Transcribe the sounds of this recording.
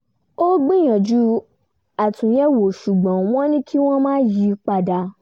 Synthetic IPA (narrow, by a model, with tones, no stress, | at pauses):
o˦ɡ͡bĩ˦j̃ã˨d͡ʒu˨˦ | a˨tũ˨jɛ˦wo˨ʃu˨ɡ͡bɔ̃˨w̃ɔ̃˦nĩ˦kʰi˦w̃ɔ̃˦mãː˦ji˨˦k͡pa˧da˧